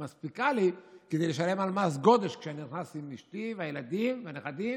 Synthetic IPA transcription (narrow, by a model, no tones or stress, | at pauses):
maspikaliked̪ejleʃale̞malmas̬ɡo̞d̪e̞ʃkʃeaniniχnasimiʃtiveajelad̪imveaneχad̪im